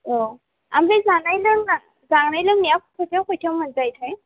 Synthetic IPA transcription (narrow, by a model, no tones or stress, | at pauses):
o | a̰mezanajlɯŋna | zaŋnajlɯŋnijakʰkʰɔjtʰawkʰojtʰamənzajtʰaj